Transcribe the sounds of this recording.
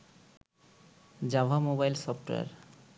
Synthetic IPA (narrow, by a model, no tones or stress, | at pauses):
d͡ʑabʱamobajlsɔpʈoa̰ɾ